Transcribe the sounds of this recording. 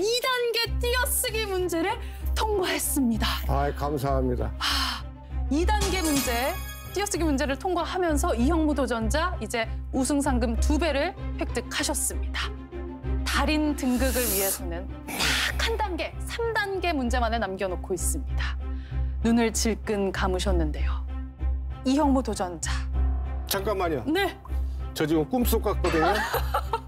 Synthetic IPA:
idanɡe̞t͈ijʌs͈ɯɡimund͡ʑe̞ɾɯɭtʰoŋɡwaɦe̞s͈ɯmɲidaajkams̬ʰaɦamɲida̰a | idanɡe̞mund͡ʑe̞ | t͈ijʌs͈ɯɡimund͡ʑe̞ɾɯɭtʰoŋɡaɦamjʌns̬ʰʌiɦjʌŋmudod͡ʑʌnd͡ʑaid͡ʑe̞usʰɯŋs̬ʰaŋɡɯmtube̞ɾɯɭɸwe̞k̚t͈ɯkʰaɕʰʌs͈ɯmɲida | taɾintɯŋɡɯɡɯɭɥiɦe̞sʰʌnɯn | takʰandanɡe̞sʰamdanɡe̞mund͡ʑe̞manenamɡjʌnokʰois͈ɯmɲida | nunɯɭt͡ɕiɭk͈ɯnkamɯɕʰʌnːɯnde̞jo | iɦjʌŋmudod͡ʑʌnd͡ʑa | t͡ɕaŋk͈anmaɲione̞ | t͡ɕʌd͡ʑiɡok͈ums͈ok͈ak͈ʌdɯɲo

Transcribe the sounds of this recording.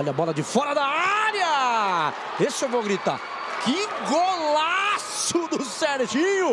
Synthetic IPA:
ɔʎɐbɔlɐd͡ʒɪfɔɾɐd̪aaɾjɐ | esɪewvoɡɾit̪a̰ | kɪɡolasʊd̪ʊseɾʒĩɲʊ

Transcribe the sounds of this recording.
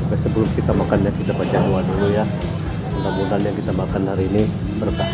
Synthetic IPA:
ubasəbəlʊmkit̪amakanjakit̪apad͡ʒaluaduluja | əŋkabuanjaŋkit̪amakanhaɾiːni | bərka

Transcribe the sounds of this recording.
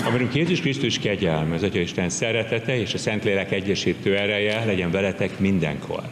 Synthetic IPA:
ɒmiɾyŋkjeːzuʃkrist̪uʃkɛɟɛlmyɒzɒcɒiʃt̪ɛnsɛɾɛt̪ɛt̪ɛeːʃɒsɛnt̪leːlɛkɛɟːɛʃiːt̪øːɛɾɛjɛlɛɟɛɱvɛlɛt̪ɛkmind̪ɛ̰ŋkʰo̞̰r

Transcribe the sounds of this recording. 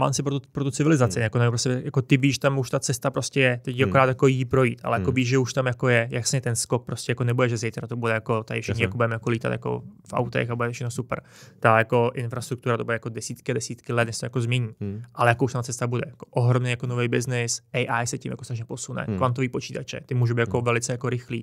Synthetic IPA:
ma̰msɪpɾot̪upɾot̪ut͡sɪvɪlɪzat͡sɪnjakonajopɾoscɛjakot̪ɪviʒɛt̪amuʃt̪at͡sɛst̪apɾoscɛjɛt̪ɛcakoɾaːt̪jakojipɾo̞jḭːt̪a̰lɛjakoviʒʒɛuʃt̪amjakojɛjaksɲɛt̪ɛnskok̚pɾoscʲɛjakonɛbudɛʒɛzɛjt̪ɾat̪obudɛjakot̪adɪfʃɪxɲɪjakobudɛmɛjakoliːt̪a̰t̪ja̰ko̞̰fʔa̰wt̪ɛ̰xabudɛt̪ofʃɛxnosupɾ | t̪ajako̞ʔɪnfɾast̪ɾukt̪uɾat̪obudɛjakodɛsiːt̪kɪdɛsiːt̪kɪlɛd̪nɲɛst̪ojakozmɲɛɲiːʔalɛjakouʃt̪amt̪t͡sɛst̪abudɛ̰jakoʔoɦɾomnejakonovɛjbɪznɪsɛjʔajsɛcimjakost̪axʃɲɛpo̞sunɛ̰kvant̪oviːpot͡ʃiːt̪at͡ʃɛ̰t̪ɪmuːʒubiːt̪jakovɛlɪt͡sɛjakoɾɪxlḭː

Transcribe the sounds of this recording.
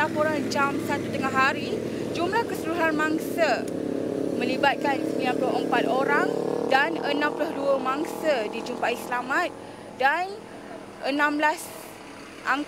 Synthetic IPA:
apoɾand͡ʒamsat̪ut̪əŋaɦaɾi | d͡ʒumlahkəsəluɦanmaŋsə | mə̃libat̪̚kansiãplʊɦəmpat̪̚oɾaŋdanənãmplʊhduəmãŋsədid͡ʒumpaʔislamãt̪̚ | dan | ʔənãmblas | ʔaŋ

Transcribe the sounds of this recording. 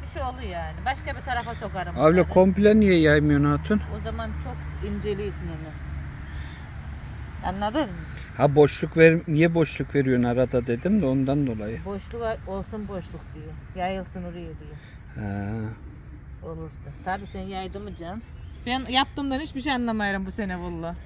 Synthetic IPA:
biʃejolˠujaːnibaʃkabit̪ʰaɾafaso̞kaɾɯmaːblʲakʰo̞mplʲanijɛjajmɯjonaːt̪ʰɯnozamant͡ʃʰokind͡ʒelʲiːsmenɪ | a̰nlˠad̪ɯɾm | habo̞ʃlˠukveɾmnijɛbo̞ʃlˠukve̞ɾijoɾnaɾad̪ad̪e̞d̪imd̪ao̞nd̪and̪o̞lˠajɯbo̞ʃlˠukaolˠsunbo̞ʃlˠuk̚d̪ijɛjajɯlˠsɯnuɾijud̪ijɛ | hɛ | olˠuɾsɯnt̪ʰaːbiːsɛnjajd̪ɯmɯd͡ʒambænjap̚t̪ɯmd̪anit͡ʃbiʃejanlˠamajaɾɯmbusenevolˠːa

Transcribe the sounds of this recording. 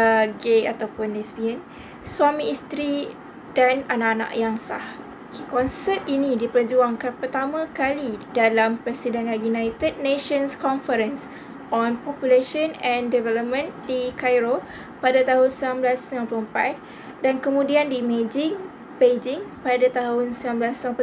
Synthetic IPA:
əɡeat̪awpʊnɛsbiɛn | swamiːst̪ɾi | dananaʔanã̰ʔjaŋsa̰h | kekɔnsət̪̚inĩdipərd͡ʒuaŋkanpərt̪amãkalidalampɾɛsidənajunajt̪əd̚neʃənskɔnfəɾəns | ɔnpɔpjuleʃənɛ̃ndɛvɛləp̚mə̃ndikajɾo | padat̪aɦʊnsəmamblasnãmplompa̰t̪̚ | dankəmũdiandimed͡ʒɪŋ | bed͡ʒɪŋpadat̪aɦʊnsəmãmblasənãmp

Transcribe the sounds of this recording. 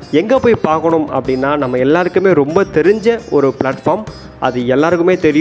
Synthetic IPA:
ɛŋɡɐpoːjpaːɾkɐɳɯmɐ̰pːɐɽɪnːaːnɐmːɐɛlːaːɾɯkːɯmeːɾɔmbɐt̪ɛɾɪɲd͡ʒɐɔɾɯpɭaːʈfaːɾm | ʔɐ̰ðɯɛlːaːɾɯkɯmeːt̪ɛɾɪj

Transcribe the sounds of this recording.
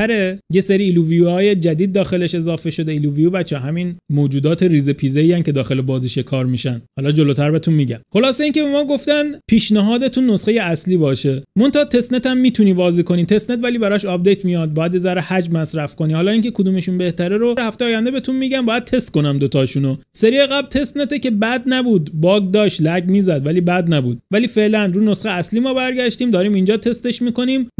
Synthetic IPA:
æɾejeseɾiːluvijuɒːje̞d͡ʒæd̪iːd̪̚ːɒːxe̞le̞ʃe̞zɒːfe̞ʃo̞d̪e̞iluːvijubæt̪t͡ʃʰːɦæminmoːd͡ʒuːd̪ɒːt̪ʰe̞ɾiːzepʰiːzeiːjæncʰe̞d̪ɒːxe̞le̞bɒːziːʃe̞kʰɒːɾmiʃænhɒːlɒːd͡ʒo̞lot̪ʰæɾbe̞t̪ʰunmiːɟæmxo̞lɒːse̞iːnce̞be̞mɒːɡo̞ft̪ænpʰiːʃnæɦɒːd̪et̪ʰunːosxe̞jeæsliːbɒːʃe̞mo̞nt̪ɑt̪ʰe̞sne̞t̪ʰæmːiːt̪ʰuniːbɒːziːko̞niːt̪ʰe̞snet̪væliːbæɾɒʃɒb̚d̪e̞jt̪ʰmijɒd̪̚bɒːjæd̪bezæɾehæd͡ʒmæsɾæfko̞niːhɑːlɒːiːncʰe̞kʰod̪uːmeʃunbe̞ht̪æɾeɾoɾhæft̪ejɑːjænd̪ebet̪ʰuːnmiːɟæmbɒːjæd̪̚t̪ʰe̞st̪̚ko̞næmd̪ot̪ʰɒːʃunoseɾieɣæblt̪ʰe̞st̪net̪ece̞bæd̪næbuːd̪bɒːɡd̪ɒːʃt̪læɡmiːzæd̪væliːbæd̪næbṵːd̪̥̚væliːfe̞ʔlænruːno̞sχejeæsliːmɒːbæɾɟæʃt̪iːmd̪ɒːɾiːmind͡ʒɒːt̪ʰe̞st̪e̞ʃmiːko̞niːm

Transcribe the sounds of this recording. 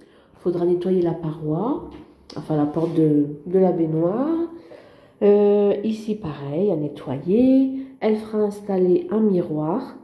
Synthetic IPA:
fod̪ʁanet̪wajelapaʁwa | ɑ̰̃fɛ̃lapɔʁt̪d̪əd̪əlabenwaʁ | øisipaʁɛjanet̪wajeɛlfəʁaɛ̃st̪aleʔɛ̃miʁwaːʁ

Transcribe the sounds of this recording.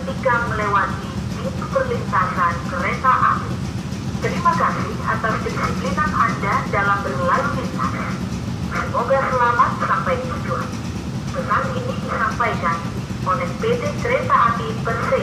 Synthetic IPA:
tiɡaməlewat̪idit̪upərlint̪asankəɾet̪aʔa̰bi | t̪əɾimakasɪha̰t̪awskədisiplinanandadalambərlajmit̪̚ma̰s | danoɡasəlamat̪̚sampajkət̪ud͡ʒua̰n | bəsaliniəsampajd͡ʒani | ʔonɛk̚bet̪ekəɾet̪aːbipərt̪ɪ

